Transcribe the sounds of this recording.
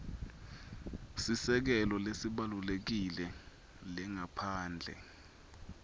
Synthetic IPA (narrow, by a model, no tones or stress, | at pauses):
sisɛk̬ɛlɔlesiɓalulek̬ilɛ | lɛŋapʰaːnd͡ɮʱɛ̰